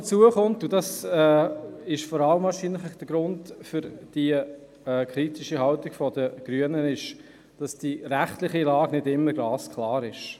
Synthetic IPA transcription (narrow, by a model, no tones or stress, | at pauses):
t͡suəχʊntʊdɑsɛːɪʃfɔɾɑləmɑːʃinlɪχəχd̥əɡɾʊndfʏɾd̥i | ɛːkʰɾitiʃiɦɑltɪɡ̥fɔdəɡ̥ɾyənənɪʃ | d̥ɑsd̥iɾæχtlɪχilɑːɡnɪdɪmːəɡɑːskʰlɑːɾɪʃ